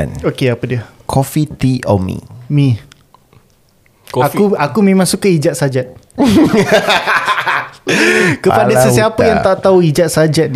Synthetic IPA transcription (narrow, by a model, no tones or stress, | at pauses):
nokeapədiəkʰɔfit̪iɔ̰mḭmĩ | kakuakumẽmãŋsukaʔid͡ʒat̪̚sad͡ʒat̪̚ | kəpadasəsiapəjaŋt̪aʔt̪auid͡ʒat̪̚sad͡ʒat̪̚